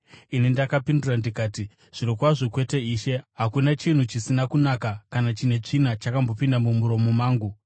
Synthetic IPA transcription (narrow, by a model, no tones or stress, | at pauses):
inindakapindurandikaːti | ʐ̥iɾokwaʐokwe̞te̞iːʃe̞ɦakunat͡ʃin̤ut͡ʃisinakunakakanat͡ʃine̞t͡ʂin̤at͡ʃakambo̞pindamumuɾo̞momaːŋɡu